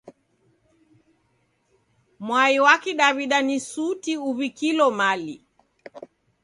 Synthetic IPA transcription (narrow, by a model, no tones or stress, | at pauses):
mwaiwakiɗaβiɗanisutiuβikilɔmalḭ